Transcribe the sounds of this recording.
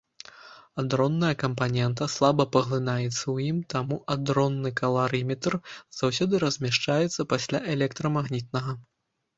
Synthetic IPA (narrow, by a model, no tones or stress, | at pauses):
ad̪ɾɔnːɐjɐkɐmpanʲɛnt̪ɐslˠabɐpɐɣlˠɨnajɛt̪sːɐwjimt̪amuʔad̪ɾɔnːɨkɐlˠaɾɨmʲɛt̪rz̥awsʲɔd̪ɨɾɐzʲmʲaʂt͡ʂajɛt̪sːɐpasʲlʲaʔɛlʲɛkt̪ɾɐmaɣnʲit̪̚nɐɣɐ